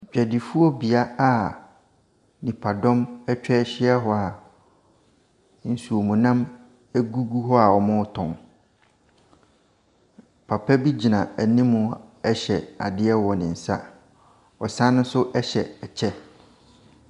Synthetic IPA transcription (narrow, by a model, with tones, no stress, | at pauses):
d͡ʑᶣɛ˨dɪ˨fu˦ɔ˦bi˨a˦a˨ | nĩ˨pʰa˨dɔ̃˦mɛ˦t͡ɕᶣɛ˦ɕɪ˦ɛ˦ɦɔ˦a˨ | n̩˨su˨o˨mũ˨nã˦m | æ˦ɡu˦ɡu˦ɦɔ˦a˨ɔ˨mʊ̃˦tʰɔ̃˨ŋ | pʰa˨pʰɛ˦bi˦d͡ʑi˨nã˨æ˨nĩ˦mʊ̃˨ɛ˦ɕɛ˨a̰˨dɪ˦ɛ˦wɔ˨nɪ̃˨n̩˨sa̰˦ | ɔ˨sã˦nʊ̃˦n˦sʊ˦ʔɛ˦ɕɛ̰˨ɛ˨t͡ɕʰɛ˦